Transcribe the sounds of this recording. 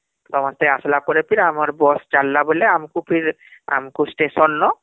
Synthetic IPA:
t̪ɔmast̪easlapɔɾepiɾamaɾbɔsd͡ʒalːaboleamkupʰiɾ | a̰mkusʈesɔnːɔ

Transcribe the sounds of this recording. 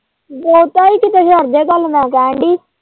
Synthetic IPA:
boːt̪aːiːkɪt̪eʃəɾd̪eːkəlnãːkɛːɳɖiː

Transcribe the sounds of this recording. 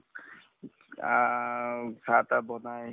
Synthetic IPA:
a | sat̪abɔnaj

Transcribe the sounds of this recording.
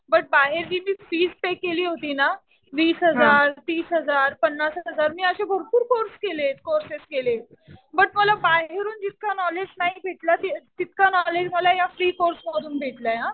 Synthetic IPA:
bəʈ̚baɦeɾd͡ʑiːmiːfiːd͡zpekeliːɦot̪iːna | ʋiːsɦəd͡zaɾt̪iːsɦəd͡zaɾpənːasɦɦəd͡zaɾmiːəɕebʱəɾpuːɾkoɾskelet̪koɾseskelet̪ | bəʈməlabaɦeɾuːnd͡ʑit̪̚kanɔled͡ʑnaɦibʱeʈlat̪et̪it̪̚kanɔled͡ʑməlajafɾiːkoɾsməɽuːnbʱeʈlaɦã

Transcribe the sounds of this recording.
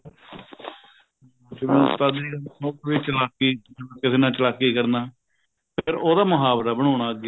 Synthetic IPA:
t͡ʃmẽt̪aːd̪iːanoːkʋiːt͡ʃəlaːkiːakɪseːnãːt͡ʃəlaːkːiːkəɾnaː | pʰɪɾoːd̪aːmʊɦaːbɾaːbəɽ̃õːñaːəɡ

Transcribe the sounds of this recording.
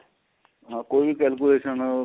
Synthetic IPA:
ɦãkoibʱikɛlk̬uleːʃən

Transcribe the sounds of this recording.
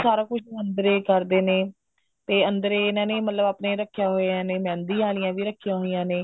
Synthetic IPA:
saːɾãːkʊʃə̃nd̪əɾeːkəɾd̪eːneː | t̪eːənd̪əɾeːnɛ̃ːnẽːmət̪ləbaːpneːɾəkʰːɪjaːɦoːeãːneːmɛ̃ːnd̪ĩːãːlijãːʋiːɾəkʰːɪjãːɦoːijãːneː

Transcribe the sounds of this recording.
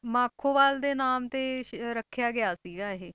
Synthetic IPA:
mãːkʰːoːʋaːld̪eːnaːmt̪eːɾəkʰːjaːɡɪaːsiːɡaːɦeː

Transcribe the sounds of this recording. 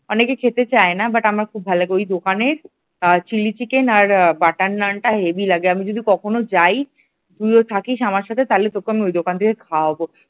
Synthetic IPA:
ɔnekekʰet̪et͡ɕaenabaʈamaɾkʰubːʱalaɡeojd̪okaneɾ | t͡ɕilit͡ɕikenaɾbaʈanːaɳʈaɦebilaɡeamid͡ʑod̪ikɔkʰonod͡ʑaj | d̪ɾujot̪ʰakiʃamaɾʃat̪ʰet̪alet̪okːoamiojd̪okant̪ʰikekʰaaɔbo

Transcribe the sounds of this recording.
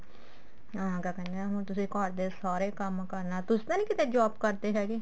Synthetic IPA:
ãkakɛnaɦũt̪ʊsĩkɔːɾd̪esaːɾeːkəmkəɾnat̪ʊst̪anĩːkɪt̪ẽd͡ʒaːbkəɾt̪eɦɛːɡi

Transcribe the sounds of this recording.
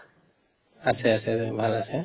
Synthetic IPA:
asɛasɛbʱalasɛ

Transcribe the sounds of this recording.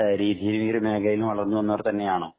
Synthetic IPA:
ɾiːðijilmiːrɨme̞ːɡɐjilumʋɐɭɐrnːuʋɐnːɐʋɐret̪ɐnːe̞jaːɳoː

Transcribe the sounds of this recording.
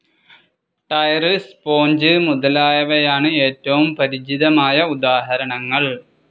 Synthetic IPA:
ʈɐjrispoːɲd͡ʑɨmuðɐlaːjɐʋejaːɳɨe̞ːtːɐʋumpɐɾid͡ʑiðɐmaːjɐud̪aːɦɐɾɐɳɐŋːɐɭ

